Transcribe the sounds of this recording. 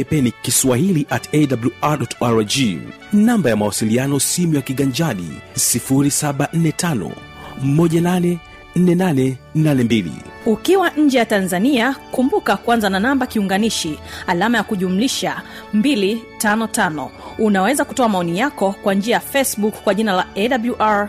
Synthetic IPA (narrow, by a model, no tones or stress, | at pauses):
ɛpɛnikiswahiliʔatɛdabluaɗɔtaɾd͡ʒi | nambajamawasilianɔsimujakiɠaɲd͡ʒaɗḭsifuɾisaɓan̩nːɛtanɔ̰ | mɔʄananɛ | n̩nɛnanɛnanɛmbilḭukiwaɲ̩d͡ʒɛjatanzaniakumbukakuanzananambakiuŋɡaniʃialamajakuʄumuliʃa | mbilitanɔtanɔunawɛzakutɔamaɔnijakɔkwaɲd͡ʒiajafɛsɓukkːwaʄinalaɛɗabluʔaɹ